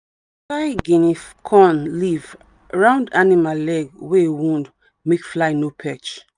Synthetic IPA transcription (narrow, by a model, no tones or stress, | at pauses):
fajɡĩnifkʰɔ̃nliv | ɹãʊ̃ndanimalɛɡweewũnd | mekflaɪnopʰɛt͡ʃ